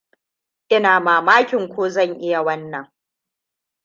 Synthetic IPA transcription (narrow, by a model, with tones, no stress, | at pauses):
ʔɪ˦naː˨maː˨maː˦kʲɪ˨ŋkʷoː˦zɐ˦˨ŋʔɪ˦ja˨wɐ˦nːɐ˨ŋ